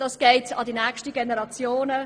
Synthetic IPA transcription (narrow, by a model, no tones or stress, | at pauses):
d̥ɑsɡ̥eɪtɑdinɛːkʃtəɡenəɾɑt͡sjoːnə